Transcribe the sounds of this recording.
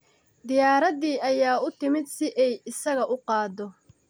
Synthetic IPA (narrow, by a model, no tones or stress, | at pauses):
d̪ɪjaːɾɐðiːʔɐjaːʊt̪ʰɪmɪd̪sɪʔɛjɪsɐɣɐʔʊqɑːd̪ɔ